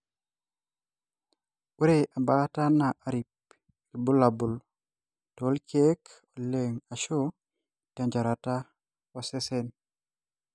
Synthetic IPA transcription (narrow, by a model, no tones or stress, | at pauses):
uɾeʔabatanaʔaɾip̚ | ibulabul | tolkek | oleŋaʃo | tɛɲd͡ʒaɾata | ɔsesɛn